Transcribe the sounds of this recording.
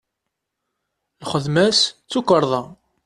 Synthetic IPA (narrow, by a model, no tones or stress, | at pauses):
lχəðmæst͡sːukəɾˤðˤɑ